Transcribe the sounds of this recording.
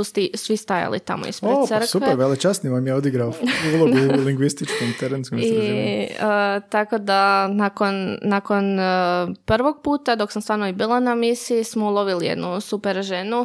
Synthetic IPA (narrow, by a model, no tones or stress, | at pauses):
ust̪isʋist̪aja̰lḭt̪a̰mo̰ḭspɾesɾsupeɾʋelet͡ʃasniʋamjaod̪iɡɾabilˠoiliŋɡʋist̪it͡ʃkomt̪eɾenskomi | əːt̪ako̞d̪anako̞nːako̞n | pr̩ʋo̞ɡ̚puːt̪ad̪o̞ksamst̪ʋaːɾnoibiːlˠanamisiːsmoulˠo̞ʋilijḛd̪nusupeɾʒenu